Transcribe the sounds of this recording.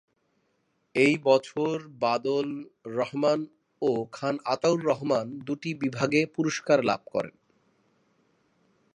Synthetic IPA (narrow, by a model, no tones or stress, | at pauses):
ejbɔt͡ɕʰoɾbad̪olːɔɦman | okʰanat̪awnɾɔɦmand̪uʈibibʱaɡepuɾoʃkaɾla̰b̚kɔ̰ɾḛn